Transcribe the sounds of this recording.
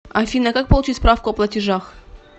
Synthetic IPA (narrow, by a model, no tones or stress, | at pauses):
afʲinəkak̚pəlˠʊt͡ɕitʲspɾafkʊɐplˠətʲɪʐax